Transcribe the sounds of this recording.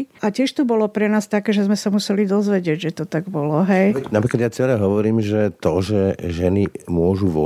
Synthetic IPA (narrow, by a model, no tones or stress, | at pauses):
acɪɛʃt̪ubɔlɔpɾɛnaːst̪akɛːʒɛzmɛsamusɛlid̪ɔzʋɛɟɪɛɟʒɛt̪ɔt̪aɡbɔlɔɦɛj̪apɾikad̪jat͡sɛlɛɦɔʋɔɾiːmʒɛt̪ɔʒɛʒɛnimʊɔʒuʋɔ̰